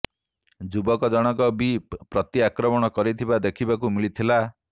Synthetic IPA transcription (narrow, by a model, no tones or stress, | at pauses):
d͡ʒubɔkɔd͡ʒɔɽ̃ɔkɔbipɾɔt̪iakɾɔmɔɽ̃ɔkɔɾit̪ʰibad̪ekʰibakumiɭit̪ʰila